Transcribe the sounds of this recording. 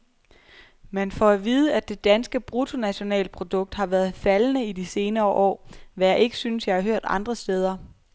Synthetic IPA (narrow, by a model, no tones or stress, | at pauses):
menfɒæʋiːð̞ˠəæd̥e̝d̥ænsɡ̥əb̥ʁut͡sʰo̝næɕo̝nɛ̰ːləpʰʁo̝d̥ɔ̽ɡ̥̚d̥hɑ̈ʋæːɐð̩ˠfælnəidise̝ːnɐːʔɒ̰ːʋæjɑ̈ʔe̝ɡ̥ə̥synsjɑ̈hɑ̈ɦøɐ̰d̥ɑ̈nd̥ʁɐsd̥eːð̞ˠɐ